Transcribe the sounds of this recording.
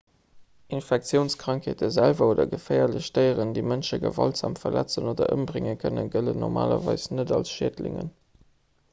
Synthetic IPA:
ʔinfæk̚tt͡sjəʊnskʁ̥ɑŋkʰeːtəzælvɐoːdɐɡəfɛɪɐləɕtəɪəʁəndeɪmənʃəɡəvɑltz̥aːmfɐlʔæt͡sənoːdɐʔəmbʁɪŋəkʰənənɡələnːɔʁmʔaːlɐ̰vɑɪsnədɑlsʃeːdlɪ̰ŋə̰n

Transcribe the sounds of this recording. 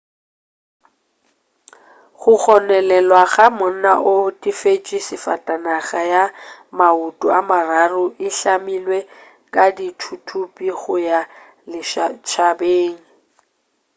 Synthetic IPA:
χʊk͡xɔnɛlɛlwaɣamʊn̩naʔʊtʼifet͡ʃʼisɪfa̰tʼanaɣajamautʼuamararʊʔɪɬamilwe | kʼaditʰutʰupʼiɣʊja | lɪʃat͡ʃʰabeːŋ̩

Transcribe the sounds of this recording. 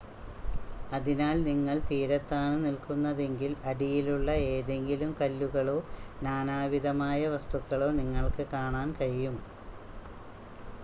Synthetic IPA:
ɐðinaːlniŋːɐɭt̪iːɾɐt̪ːaːɳɨnilkunːɐðe̞ŋɡilɐɽijiluɭːɐe̞ːðe̞ŋɡilumkɐlːuɣɐɭo̞ːnaːnaːʋiðɐmaːjɐʋɐst̪ukːɐɭo̞ːniŋːɐɭkɨkaːɳaːnkɐɻijum

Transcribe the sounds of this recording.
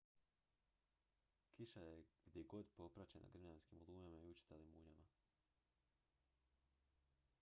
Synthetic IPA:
kiʃajeɡ̥d̪jeɡo̞d̪po̞pɾat͡ɕena̰ɡr̩manskimulˠuːmamaiut͡ʃi̥t̪elimuɲama

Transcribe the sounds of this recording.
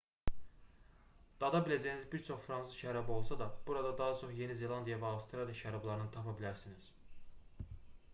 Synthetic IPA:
d̪̥ɑd̪ɑbilæd͡ʒæjnizbiɾt͡ʃʰo̞χfɾɑnsɯʃæɾɑbio̞lˠsɑd̪ɑb̥uɾɑd̪ɑd̪ɑɦɑt͡ʃʰo̞χje̞nize̞lˠɑnd̪ijɑvæɑvst̪ʰɾɑlʲˠijɑʃæɾɑblˠɑɾɯnɯnt̪ʰɑpʰɑbilæɾsiniz̥

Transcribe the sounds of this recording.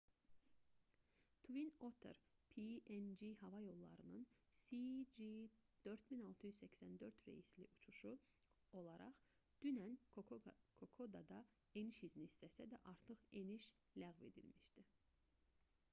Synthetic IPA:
t̪ʰvinot̪ʰḛɾpʰiend͡ʒiɦɑvɑjo̞lˠːɑ̰ɾɯnɯnsid͡ʒid̪̥øɾt̪minɑlˠt̪ʰɯjyzsæcsænd̪ø̞ɾt̪ɾḛjislḭʔut͡ʃʰuʃu | o̞lˠɑɾɑ̰χ | d̪̥ynæn | kʰokʰod̪ɑd̪ɑ | e̞niʃizniːst̪ʰæsæd̪æʔɑɾt̪ʰɯχe̞niʃ | læɣve̞̰d̪ḭlmiʃd̪̥i

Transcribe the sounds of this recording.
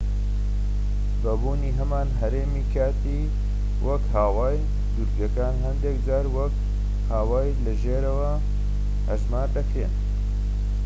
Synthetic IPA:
bɐbuːniːɦɐmaːnɦɐɾeːmiːkʰaːt̪i | wʔɐkhaːwaːj | d̪uɾbɐkaːnɦɐnd̪ekd͡ʒaːɾwɐk | haːwaːjlɐʒeːɾɐwɐ | hɐʒmaːɾd̪ɐkɾen

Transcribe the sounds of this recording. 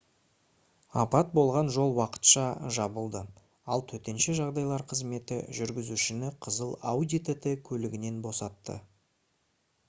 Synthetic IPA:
ɑpɑt̪̚bo̞lˠʁɑnʒo̞lˠwɑqə̥t̪ʃɑʒɑbəlˠd̪ə | ɑlˠt̪ʰɵt̪e̞nʃɪʒɑʁd̪ɑjlˠɑɾqʰəzme̞t̪ɪ̰ʒʏɾɡʲɪzuʃɪnɪqʰəzəlˠawd̪ʲit̪et̪ekʲʰɵlɪɡʲɪne̞nbo̞sɑt̪ːə̰

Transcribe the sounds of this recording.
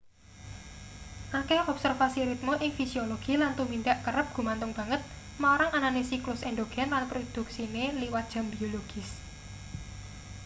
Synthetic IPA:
ʔakeɔbsərfasiɾit̪̚moʔɪŋfisioloɡ̥ilant̪umiɳɖaʔkəɾəp̚ɡ̥ṳmant̪ʊŋb̥ä̤ŋət̪̚ | maoɾaŋananesiklʊsɛnɖ̪oɡ̥ɛ̤nlanpɾod̪̥ṳk̚sineliwat̪̚dʒ̥a̤mbioloɡ̥ɪ̤s

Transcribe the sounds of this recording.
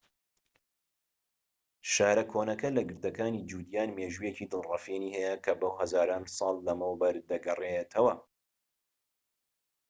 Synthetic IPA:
ʃaːɾɐkʰoːnɐkɐlɐɡɨɾd̪ɐkaːnid͡ʒuːd̪jaːnmeːʒuːjeciːd̪ɨlˠrɑfeːniːhɛjɐkʰɐbɐwɦɐzaːɾaːnsˤɑːlːɐmɐwbɐɾd̪ɐɡɐret̪ʰɐwɐ

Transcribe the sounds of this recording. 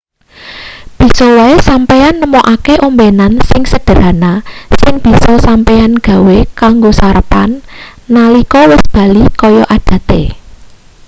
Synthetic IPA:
b̥i̤sɔwaesampeanːəmɔʔakeʔombenansɪŋsəɖ̥ə̤ɾanasɪŋb̥i̤sɔsampeanɡ̥ä̤wekaŋɡosaɾəpa̰nːalikɔwɪsb̥ä̤likɔjɔʔad̥ä̤t̪ḛ

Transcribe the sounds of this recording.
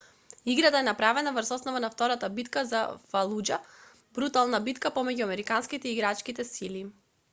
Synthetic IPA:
iɡɾat̪aɛnapɾavɛnavɾsɔsnɔvanaft̪ɔɾat̪abit̪kaza̰falˠud͡ʒa | bɾut̪alˠnabit̪kapɔmɛɟuamɛɾikanskit̪ɛiːɡɾat͡ʃkit̪ɛsili

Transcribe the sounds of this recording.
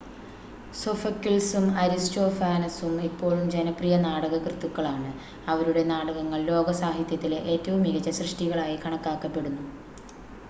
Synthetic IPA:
sofɐkːilsumɐɾisto̞ːfaːnɐsumipːo̞ːɭumd͡ʑenɐprijɐnaːɽɐɣɐkrɨt̪ːukːɐɭaːɳɨ | ɐʋɐɾuɽe̞naːɽɐɣɐŋːɐɭlo̞ːɡɐsaːɦit̪jɐt̪ːileʔeːtːɐʋumiɣɐt͡ɕːɐɕrɨʂʈiɣɐɭaːjikɐɳɐkːaːkːɐpːe̞ɽunːu

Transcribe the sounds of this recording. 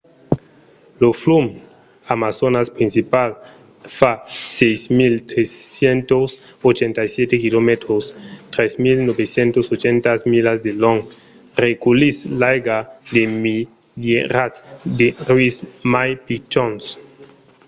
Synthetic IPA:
loflum | amasonaspɾinsipal | fasejsmilt̪ɾesjent̪os | ot͡ʃent̪ajsjet̪ekilomet̪ɾost̪ɾesmilnobesjent̪osot͡ʃent̪asmilasd̪eloŋ | rekulislajɡad̪emi | leɾasd̪erwismajpit͡ʃons

